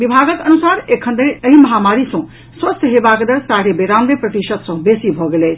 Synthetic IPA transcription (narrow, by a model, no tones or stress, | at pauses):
ʋibʱaːɡək̪ɐnusaːɾekʰənd̪eəɦimɐɦaːmaːɾisɔ̃ | swɐst̪ʰɦebaːɡd̪əɾsaːɾebeɾaːmdepɾɐt̪iʃəd̪sɔ̃besibʱoɡeleː